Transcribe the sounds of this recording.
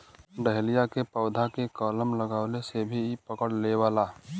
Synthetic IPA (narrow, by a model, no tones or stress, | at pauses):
ɖəɦlijakepəʊd̪ʱakekɔːləmləɡaːʊlesebʱipəkəɽleʋaːlaː